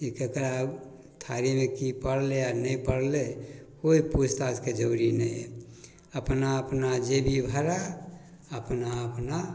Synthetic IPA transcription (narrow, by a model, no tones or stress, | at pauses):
ekekəɾab | t̪ʰaɾimekipəɽleanəipəɽlekoipud͡ʒt̪ad͡ʒked͡ʒəɾinə | əpnaəpnad͡ʒebʱibʱəɾa | əpnaəpna